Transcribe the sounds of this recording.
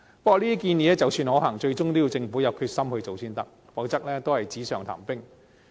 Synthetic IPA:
pɐ˥kɔ˨˧˨liː˥i˥kiː˧njiː˨˧ɛ˥t͡sɐ˨˧wsyː˧nhɔː˨˧ɦɐː˨˩ŋt͡ʃɵ˧ɥt͡sʊ˥ŋt̪o˥ji˧wt͡sɪ˧ŋfuː˨˥jɐ˨˧p̚kʰyː˧t̚sɐ˥mhɵ˧ɥt͡ʃo˨wsiː˥nt̪ɐ˥k̚ | pɔ˨˥wt͡sɐ˥k̚lɛː˥t̪o˥whɐ˨jt͡siː˨˥sœː˨˩ŋt̪ʰa̰ː˨˩mpɪ˥ŋ

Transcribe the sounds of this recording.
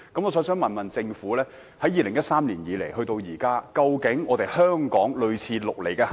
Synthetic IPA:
kɐ˨˥mɔ˨˧sɔː˨˥ŋsœː˨˥ŋmɐ˨nmɐ˨nt͡sɪ˧ŋfuː˨˥lɛː˥ | hɐ˨˥jiː˨˧lɪ˨˩ŋjɐ˥t̚saː˥mliː˨˩njiː˨˧le˨˩jhɵ˧t̪o˧wjiː˨˩kaː˥kɐ˧wkɪ˨˥ŋɔː˨˧t̪e˨˩jhœː˥ŋkɔː˨˥ŋlɵ˨ɥt͡sʰiː˧lʊ˨k̚le˨˩jkɛː˧

